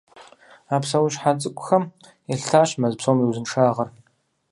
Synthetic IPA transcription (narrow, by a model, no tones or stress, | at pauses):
aːpsɐwʊʃħat͡sʼɨkʷʼʊxɐm | ɛɬʰaːɕmɐzpsoːmiwzɨnʂaːʁɐr